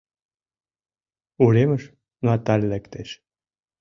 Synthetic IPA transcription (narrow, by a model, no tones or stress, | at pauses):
ulemə̆ʃ | nɑt̪ɑlʲːɘ̆kt̪eʃ